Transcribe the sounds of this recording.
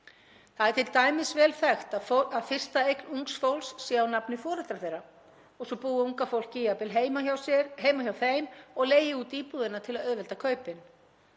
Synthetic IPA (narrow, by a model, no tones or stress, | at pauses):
θaðɛɾ̥t̪ʰɪlt̪aːjmɪsvɛːlθɛxt̪aaðfɪr̥st̪aejknuŋksfowlsːaawnapnɪfɔːɾɛt̪ɾaɾθejrːa | ɔɣsɔpuːðɪuŋkafowl̥cɪjapɪlɦemaawsɛɾɦeːjmaçjawθeːjmɔɣleːjɪuːt̪iːpuðɪnːat̪ʰɪlaðœðvɛlt̪akʰœːɥpɪn